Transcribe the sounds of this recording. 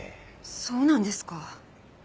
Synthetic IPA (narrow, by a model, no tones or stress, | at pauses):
so̞ːnãnd̪e̞sɨ̥ka